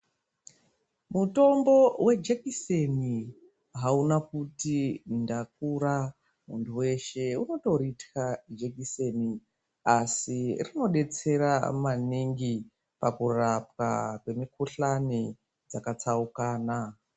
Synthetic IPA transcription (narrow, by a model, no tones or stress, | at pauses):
muto̞mbo̞we̞d͡ʒekiseni | ɦaunakutindak̚uɾa | munduwe̞ʃe̞uno̞to̞ɾitkad͡ʒekise̞ni | asirino̞ɗe̞t͡se̞ɾamaniŋɡi | pakurap̚ka̰kwe̞mikuɬani | d͡zakat͡saukaːna